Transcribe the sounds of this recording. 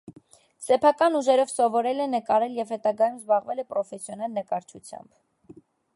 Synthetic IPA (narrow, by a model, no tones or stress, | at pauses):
sɛpʰɑkɑnuʒɛɾɔvsɔvɔɾɛlɛnəkɑɾɛljɛvhɛt̪ɑɡɑjumzbɑʁvɛlɛpɾɔfɛsjɔnɑlnəkɑɾt͡ʃʰut͡sʰjɑ̰mb̥